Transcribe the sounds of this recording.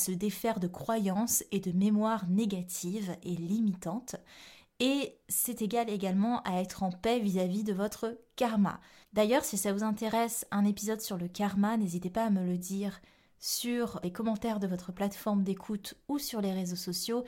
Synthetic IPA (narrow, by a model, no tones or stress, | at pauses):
səd̪efɛʁd̪əkχwajɑ̃sed̪əmemwaʁneɡʲat̪ʰivelimit̪ɑ̃t̪ | esɛt̪eɡaleɡalmɑ̃ʔaɛt̪χɑ̃pɛvizavid̪əvɔt̪χəkaʁma̰ | d̪ajœʁsisavuzɛ̃t̪eʁɛsɛ̃nepizɔd̪syʁləkaʁmanezit̪epaːmələd̪iʁ | syʁlekɔmɑ̃t̪ɛʁd̪əvɔt̪χəplat̪fɔʁmd̪ekʰut̪usyʁleʁezosɔsjo